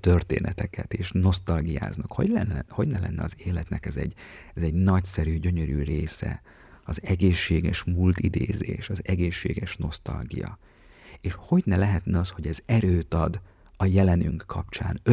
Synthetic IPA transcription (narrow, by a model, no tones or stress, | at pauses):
t̪ø̞rt̪ḛːnɛt̪ɛkɛt̪eːʃno̞st̪ɒlɡija̰ːznɒkho̞ɟlɛnːho̞ɟnɛlɛ̰nːɛɒzeːlɛt̪nɛkɛzɛ̰ɟ | ɛzɛɟnɒcsɛɾyːɟø̞ɲøɾyːreːsɛ̰ | ɒzɛɡeːʃːeːɡɛʃmult̪id̪eːzḛːʃɒzɛɡeːʃːḛːɡɛʃno̞st̪ɒ̰lɡijɒ̰ | eːʃho̞ɟnɛlɛɦɛt̪nɛɒsho̞ɟɛzɛɾøːt̪ɒd̪ | ɒjɛlɛnyŋkːɒpt͡ʃa̰ːnø